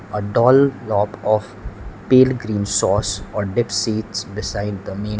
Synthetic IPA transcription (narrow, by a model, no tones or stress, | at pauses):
əɖɔːllɔːpɔːf | peːlɡɾĩːnsɔːsɔːɾɖɪpsiːʈsbɪsaɪɖd̪əmẽː